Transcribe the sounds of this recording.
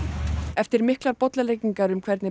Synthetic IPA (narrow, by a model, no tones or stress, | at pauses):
ɛft̪ɪɾmɪhklaɾpɔt̪lalejcːiŋkaɾʏmkʰvɛɾt̪nɪ